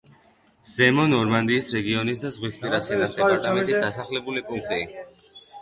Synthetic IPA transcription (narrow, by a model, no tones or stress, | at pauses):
z̥ɛmɔnɔɾmand̪iːsɾɛɡiɔnis̬d̪azʁwispʼiɾasɛnasd̪ɛpʼaɾt̪ʼamɛnt̪ʼisd̪̥asaχlɛbulipʼuŋk̚ʰt̪ʼi